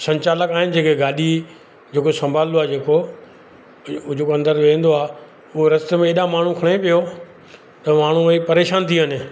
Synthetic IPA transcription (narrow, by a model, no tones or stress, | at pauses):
sɐ̃ɲt͡ɕaːləkaːɦɪnɪ̆d͡ʑeːkeɡaːɗi | d͡ʑeːkosɐ̃mbʱaːloaːd͡ʑeːko | d͡ʑoːkːɐ̃nd̪əɾʋẽːn̆d̪oaː | ʊɦoɾɐst̪əmẽeːɗãmaːɳ̤ũkʰɐɽ̃epijo | t̪ɐmaːɳ̤uipɐɾeːʃaːnt̪ʰiɦənɪ̆